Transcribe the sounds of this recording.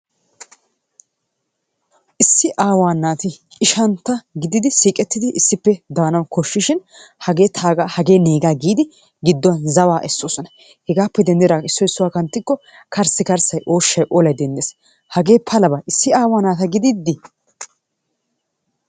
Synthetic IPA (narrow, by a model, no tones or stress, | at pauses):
ʔɪsːɪʔaːwaːnːaːt̪ɪɪʃɐnt̪ɐɡɪd̪ɪd̪ɪsiːkʼɛt̪ːɪd̪ɪʔɪsːɪpːɛd̪aːnɐwkɔʃːɪʃɪn | hɐɡe̞ːt̪ʰaːɡahɐɡe̞ːne̞ːɡaːɡiːd̪ɪ | ɡɪd̪ːɔnzɐwaːʔɛsːoːsɔnɐ | hɛɡaːpːɛd̪ɛnd̪ɛɾaːɪsːɔɪsːʊwaːkɐnt̪ːɪkːɔ | kɐɾsɪkɐɾsɐjʔo̞ːʃːɐjʔɔlɐjd̪ɛnd̪ɛs | hɐɡe̞ːpʰːɐlɐbɐʔɪsːɪaːwaːnaːt̪ɐɡɪd̪ɪd̪ːɪ